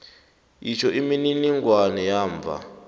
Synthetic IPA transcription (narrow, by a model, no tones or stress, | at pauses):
it͡ʃʰɔʔimininiŋɡwanɛjaːɱb̪vʱa̰